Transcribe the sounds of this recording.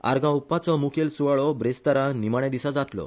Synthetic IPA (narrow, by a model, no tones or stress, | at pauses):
a̰ɾɡãupːat͡sɔmukʰelsuʋaɭɔbɾest̪aɾãnimaɽ̃ad̪isad͡zat̪lɔ̰